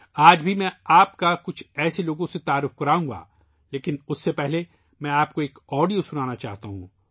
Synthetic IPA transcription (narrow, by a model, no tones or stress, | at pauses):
aːd͡ʒbʱimɛ̃aːpkakʊt͡ʃʰɛːseloːɡõset̪aːɾːʊfkɐɾaːũŋɡa̰ | leːkɪnʊsːepɛɦle | mɛ̃aːp̚koeːkɔːɖijosʊnaːnat͡ʃaːɦt̪aɦṵ̃ː